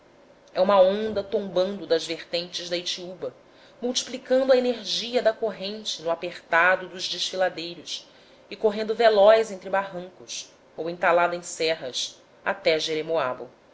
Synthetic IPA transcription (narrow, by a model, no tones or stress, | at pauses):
ɛũmɐõnd̪ɐt̪õmbɐ̃nd̪ʊd̪ɐzveχt̪ẽnt͡ʃɪzd̪ɐit͡ʃiubɐ | muwt͡ʃi̥plikɐ̃nd̪ʊɐeneɾʒiɐd̪ɐkoɦẽnt͡ʃɪnʊapeχt̪ad̪ʊd̪ʊʒd͡ʒɪʃfilad̪ejɾʊs | ɪkoɦẽnd̪ʊvelɔjzẽnt̪ɾɪbaɦɐ̃ŋkʊs | owẽnt̪alad̪ɐẽj̃sɛɦɐ̰s | a̰t̪ɛʒeɾemoa̰bʊ̰